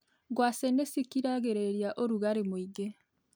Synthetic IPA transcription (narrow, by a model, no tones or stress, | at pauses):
ɡwasenesikiɾaɣeɾeɾjaʔoɾuɣaɾemwiːɡe